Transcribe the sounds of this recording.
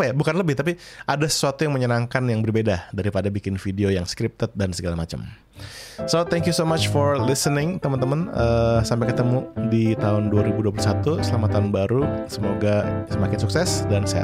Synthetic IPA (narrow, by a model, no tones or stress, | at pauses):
pajabukanləbɪht̪ap̬iʔadasə̥suat̪ujaŋməɲənaŋkanjaŋbərbedadaɾipadabikɪnfideojaŋskɾɪp̚t̪ət̪̚dansəɡalamat͡ʃa̰m | sot̪ɛŋkjusomat͡ʃfɔɾlɪsənɪŋt̪əmənt̪əmənəsampaɪkət̪əmudit̪aɦʊnduaɾibuduap̬ulusat̪usəlamat̪anbaɾusəmoɡasəmakɪnsuksɛsdansaa̰